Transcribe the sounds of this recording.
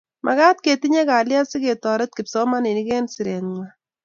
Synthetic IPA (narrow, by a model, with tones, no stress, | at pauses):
mʔa˨ka˦t̚ke˨ti˦ɲe˦ka˨lja˦si˦ke˨tɔ˨ɾɛ˦t̚ki˨psɔ˦ma˦ni˨ni˦kɛ˦nsi˨ɾɛ˨nŋwa˨